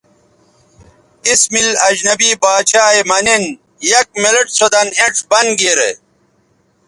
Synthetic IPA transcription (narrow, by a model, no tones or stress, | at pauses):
ismilɐd͡ʑnɐbibaːt͡ɕaːemɐnin | jɐk̚meleʈsod̪ɐneɳʈbɐnɡeɾḛ